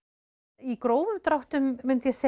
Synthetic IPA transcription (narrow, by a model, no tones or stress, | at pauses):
ikɾoːwvʏmt̪ɾawht̪ʏmːʏnt̪jɛsɛ